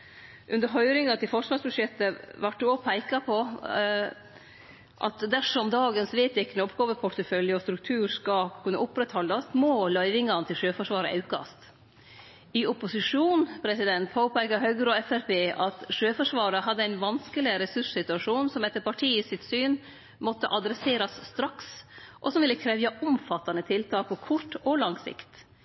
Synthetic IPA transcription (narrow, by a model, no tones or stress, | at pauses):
ʔʉnd̪əɾɦœʏɾɪŋɑt̪ʰɪlfɔʂʋɑːʂbʉʂjɛt̪ːəʋæʈːʉɔpʰæɪkɑpʰɔ | ʔɑ̰t̪d̪æʂɔmd̪ɑːɡənsʋeːt̪ɪknɔpɡɑːʋəpʰʊʈ̪əfœljəɔst̪ɾʉk̚t̪ʰʉːɾskɑkʰʉnːə̰ʔʊpɾɛt̪hɔlːɑst̪mɔːlœʏʋɪŋɑnət̪ʰɪlʂøːfɔʂʋɑːɾə̰ɑ̰ʉkɑ̰st̪ | ɪʊpʊsɪʂuːnpʰɾɛsɪd̪ɛnt̪pʰoːpæɪkɑɦœʏɡəɾɔɛfæɾpeːʔɑt̪ʂøːfɔʂʋɑːɾəɦɑd̪ːəæɪnʋɑnskəlɪɾɛsʉʂsɪt̪ʉɑʂuːnsɔmɛt̪ːəɾpɑʈʰiːəsɪt̪syːn | mɔt̪ːəʔɑd̪ɾɛseːɾɑsːt̪ɾɑksʔɔsɔmʋɪlːəkʰɾɛʋjɑʔʊmfɑt̪ːɑnət̪ʰɪlt̪ʰɑːk̚pʰɔkʰʊʈːɔlɑŋsɪ̰kt̪